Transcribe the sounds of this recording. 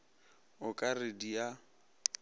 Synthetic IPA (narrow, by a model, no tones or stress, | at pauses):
ʊkʼaredija